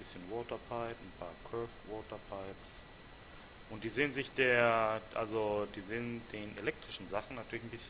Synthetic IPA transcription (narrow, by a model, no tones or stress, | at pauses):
bɪsçənwɔːtɐpʰaɪpn̩pʰa̰ːɐkʰœɐfvɔːtʰɐpʰaɪps | ʔʊntd̥iːzeːənzɪçd̥eːɐʔa̰lzod̥iːzeːəndeːnʔelɛk̚tʁ̥ɪʃn̩zaχn̩natʰyːɐlɪçn̩bɪsçə